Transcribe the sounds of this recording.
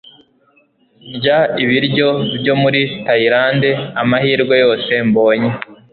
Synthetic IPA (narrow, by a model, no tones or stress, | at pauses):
ɲɟaiβiɾɟo̞bjo̞muɾitaiɾaːndeamahiːɾɡwe̞jo̞ːse̞mbo̞ːɲe